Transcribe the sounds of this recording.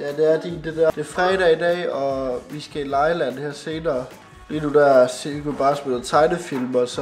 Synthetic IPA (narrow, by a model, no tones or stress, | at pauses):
jæd̥eæɐd̥id̥ed̥æɐd̥e̝ɐfʁɛːɾɛid̥ɛ̰ːɒ̽ʋisɡ̥æilɑ̈ɪlæn̰hæɐ̰se̝ːnɐː | liːnud̥æɐseɡ̥ob̥ɑ̈ːsmel̩t͡sʰɑ̈ɪnəfilmɒsɒ